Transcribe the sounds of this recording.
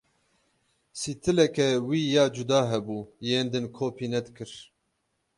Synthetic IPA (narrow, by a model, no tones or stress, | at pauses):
siːt̪ʰɨlɛkɛwiːjɑːd͡ʒud̪ɑːɦɛbuːjeːnd̪ɨnkʰoːpʰiːnɛd̪kʰɨɾ